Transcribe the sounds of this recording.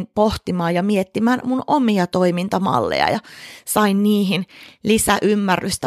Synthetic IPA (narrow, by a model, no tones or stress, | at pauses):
npoht̪imɑːjɑmiet̪ːimænmunomiɑt̪oimint̪ɑmɑ̰lːḛjɑ̰jɑsɑinniːhinlisæʔymːærːyst̪æ